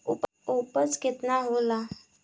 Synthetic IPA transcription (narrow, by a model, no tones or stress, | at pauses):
up | opət͡sɡet̪naɦola